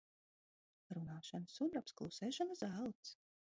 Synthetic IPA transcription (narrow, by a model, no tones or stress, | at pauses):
ɾunaːʃansumɾapsklˠusɛːʃanazælˠt̪s